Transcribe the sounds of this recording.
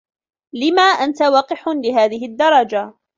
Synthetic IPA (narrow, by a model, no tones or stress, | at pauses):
lɪmaːʔant̪awɑːqɪħlɪɦaːðɪɦɪd̪ːɑɾˤɑd͡ʒa